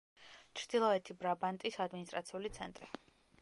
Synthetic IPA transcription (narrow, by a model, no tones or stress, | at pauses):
t͡ʃʰɾd̪̥ilˠɔɛt̪ʰibɾabant̪ʼisad̪minist̪ʼɾat̪sʰiulit̪sʰɛnt̪ʼɾi